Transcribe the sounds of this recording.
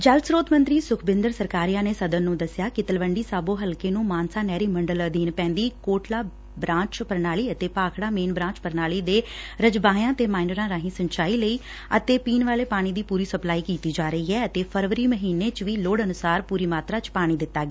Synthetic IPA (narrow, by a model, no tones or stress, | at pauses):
d͡ʒəlsɾoːt̪mə̃nt̪ɾiːsʊkʰbɪ̃nd̪əɾsəɾkaːɾijãːneːsəd̪ənːũːd̪əsɪjaːkɪt̪əlʋəɳɖiːsaːboːɦəlkeːnũːmaːnsaːnɛːɾiːməɳɖəld̪iːnpɛ̃ːnd̪iːkoːʈlaː | bɾãːt͡ʃpəɾnaːliːət̪eːpaːkʰɽaːmeːnbɾãːt͡ʃpəɾnaːliːd̪eːɾəd͡ʒbaːjãːt̪eːmaːɪɳɖəɾãːɾaːɦĩːsəɲt͡ʃaːiːləiː | ə̰t̪eːpiːnʋaːleːpaːɽ̃iːd̪iːpuːɾiːsəplaːiːkiːt̪iːd͡ʒaːɾəiːɛːət̪eːpʰəɾʋəɾiːməɦiːneːt͡ʃʋiːloːɽənʊsaːɾpuːɾiːmaːt̪ɾaːt͡ʃpaːɽ̃iːd̪ɪt̪ːaːɡeː